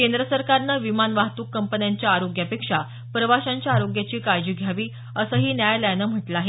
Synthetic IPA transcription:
kend̪ɾəsəɾkaɾnaʋimanʋaɦt̪uːkːəmpənjaɲt͡ɕjaːɾoɡjapekʂa | pɾəʋaɕãɲt͡ɕjaːɾoɡjat͡ɕiːkaɾd͡ʑiːɡʱjaʋiː | əsəɦiːnjajləjnəm̤əʈlaaɦe

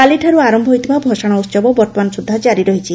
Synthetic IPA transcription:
aliʈʰaɾuaɾɔmbʱɔɦojt̪ʰibʱabʱɔʃaɽ̃aut̪t͡ʃɔbɔbɔɾt̪ɔmansud̪ʱːad͡ʒaɾiɾɔɦit͡ʃʰi

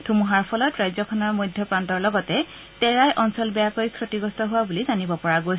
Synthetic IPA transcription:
tʰumuɦaɹpʰɔlɔtɹajzɔkʰɔnɔɹmojdʱːɔpɹantɔɹlɔɡɔtɛ | tɛɹajʔɔnsɔlbɛjakojskɹotiɡɔstɔɦʊwabulizanibɔpɔɹaɡojs

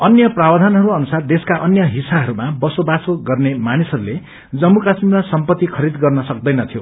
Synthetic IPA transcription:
ʌnjʌprabd̪ʱanɦʌɾuʌnusard̪eskaʔʌnjʌɦisaɦʌɾumabʌsobasoɡʌrnemanisʌɾule | d͡zʌmːukasmimasʌmpʌt̪ːikʰʌɾid̪ɡʌrnʌsʌk̚d̪ʌjnʌt̪ʰijo

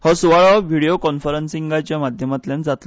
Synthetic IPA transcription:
hɔsuʋaɭɔʋiɽijokɔnfəɾənsiŋɡat͡ɕjamad̪ʱjəmat̪ljand͡zat̪

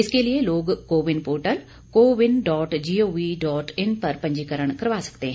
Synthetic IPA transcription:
ɪskeːlɪeːloːɡkoːʋɪnpoːɾʈəl | koːʋɪnɖɔːʈd͡ʒiːoːʋiːɖɔːʈɪnpəɾpəɲd͡ʒiːkəɾəɳkəɾʋaːsə̥kd̪eːɦɛ̃

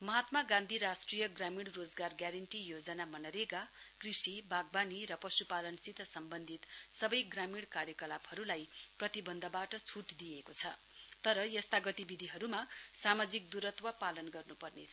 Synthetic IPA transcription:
mʌɦat̪maɡãnd̪ʱiɾasʈrijʌɡramiɽrod͡zɡarɡjaɾʌɳʈijod͡zʌnamʌnʌɾeɡa | krisibʱaɡ̚baniɾʌpʌsupalʌnsit̪ʰʌsʌmbʌnd̪ʱit̪sʌbʌjɡramiɽkaɾjʌkʌlabhʌɾulajprʌt̪ibʌnd̪ʱʌbaʈʌt͡sʰuʈd̪ijekot͡sʰʌ | t̪ʌɾʌjʌst̪aɡʌt̪ibid̪ʱiɦʌɾumasamad͡zik̚d̪uɾʌt̪wʌpalʌnɡʌrnupʌrnḛt͡sʰ

